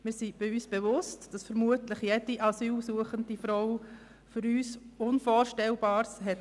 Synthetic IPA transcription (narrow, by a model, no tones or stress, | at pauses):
mɪːɾsib̥ɪyːsb̥ɛvʊstd̥ɑsfəɾmuətləχjɛdiʔɑsyːlsuəχəndifɾɔw | fʏɾyːsʊnfoːɾʃtɛlbɑːɾsɦɛt